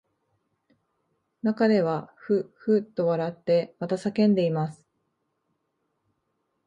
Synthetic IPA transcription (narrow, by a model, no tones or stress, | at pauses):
nakad̪e̞β̞aɸɯ̟ɸɯ̟t̪ːo̞βaɾat̪ːe̞mat̪asakẽ̞nd̪e̞imasɨ̥